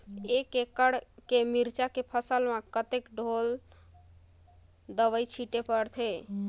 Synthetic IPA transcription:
ekekəɽkemiɾt͡ʃakepʰəsəlmakət̪ekɖʱol | d̪əʋəjt͡ʃʰiʈepəɾt̪ʰe

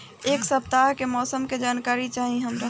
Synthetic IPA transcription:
eːksɐp̚t̪aːɦkemɔːsəmked͡ʒaːnkaːɾit͡ʃaːɦiɦəmɾɐ

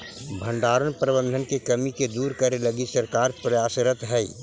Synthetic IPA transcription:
bʱə̃ɳɖaːɾənpɾəbə̃nd̪ʱənkekɐmiked̪uːɾkəɾeləɡisəɾkaːɾpɾɐjaːsɾət̪ɦɛi

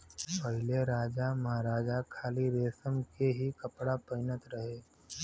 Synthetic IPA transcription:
pɐɦɪleɾaːd͡ʒamɐɦaɾaːd͡ʒakʰaːliɾeːsəmkeɦikɐpɽapɐɪnət̪ɾɐɦeː

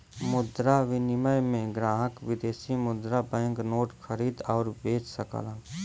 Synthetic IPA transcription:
mʊd̪ɾaʋɪnɪməjmẽɡɾaːɦəkʋɪd̪eːsimʊd̪ɾabɛ̃ːŋknoːʈxəɾiːd̪ɔːɾbeːt͡ʃsəkə̰lə

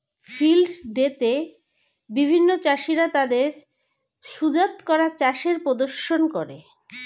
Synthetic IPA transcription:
filɖɖet̪e | bibʱinːot͡ɕaʃiɾat̪ad̪eɾ | ʃud͡ʑat̪kɔɾat͡ɕaʃeɾpod̪oɾʃonkoɾe

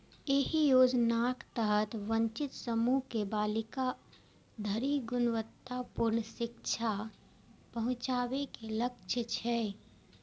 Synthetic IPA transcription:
eɦijoːd͡ʒnaːkt̪əɦət̪ʋə̃ɲt͡ʃɪt̪səmukebaːlɪka | d̪ʱəɾiɡʊnʋət̪ːapʊɾɳəʃɪkt͡ʃʰa | pɐɦʊ̃t͡ʃaːwekeləkʃʰət͡ʃʰɛː

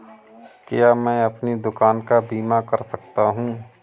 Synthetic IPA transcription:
kɪjamɛ̃ːɐpnid̪ʊkaːnkabiːmakɐɾsɐk̚t̪aɦũː

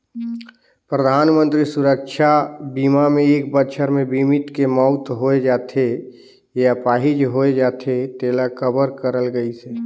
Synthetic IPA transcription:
pɾəd̪ʱaːnmə̃nt̪ɾisuɾək̚t͡ʃʰabiːmamẽeːk̚bət͡ʃʰəɾmẽbimit̪kemɔʊt̪ɦoed͡ʒaːt̪ʰe | japaːɦid͡ʒɦoed͡ʒaːt̪ʰet̪eːlakʰəbəɾkəɾəlɡəiseː

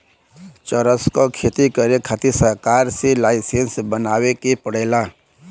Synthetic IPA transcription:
t͡ʃəɾəskokʰeːt̪ikəɾekʰat̪isəɾkaːɾselaːɪsensbənaːwekepəɽeːla

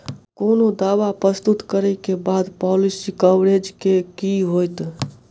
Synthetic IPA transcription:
konod̪aʋapɾəst̪ut̪kəɾɛkebad̪pɔlisikɔwɽed͡ʒkekiɦojt̪

